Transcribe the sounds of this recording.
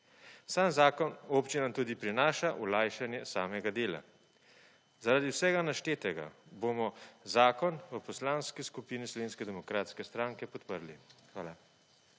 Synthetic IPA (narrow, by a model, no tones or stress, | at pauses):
saːnzaːkɔnoːpt͡ʃinant̪uːd̪ipɾinaːʃaʔulaːjʃanjɛsaːmɛɡad̪eːla̰ | zaɾaːd̪iwsɛːɡanaʃt̪eːt̪ɛɡa̰boːmɔzaːkɔnʋəpɔslaːnskiskupiːnislɔʋeːnskɛd̪ɛmɔkɾaːt̪skɛst̪ɾaːŋkɛpɔt̪pəɾlixʋaːla